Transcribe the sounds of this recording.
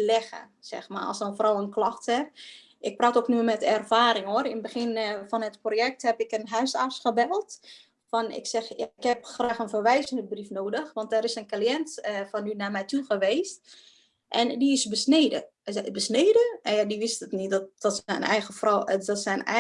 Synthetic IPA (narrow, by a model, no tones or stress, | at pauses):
lɛɣə̰sɛ̰xma̰ɔ̰sənfrɔwənklɔxtɛp̚ | ʔɪk̚praːtoknyəmɛtɛrfaːɾɪŋoəɾɪnbəxɪnfɔnətprojɛk̚thɛpɪkənɦœɥsasxəbɛlˠt | fɔnɪ̰ksɛxjaɪkhɛpxraːxənfərʋɛjzəndəbrifnoːdəxʋɔnt̚dɛɾɪsənkaljɛntəfɔnynamɛjtʰuxəʋeːst | ʔɛndiɪsbəsneːdə̰ | bəsneːdənjadiʋɪstətnitdɔdɔtsɛnɛ̰jɣəfrɔdɔtsɛnɛ̰